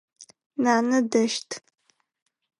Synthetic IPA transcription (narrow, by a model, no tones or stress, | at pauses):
naːnɨdɐʃtʰʼ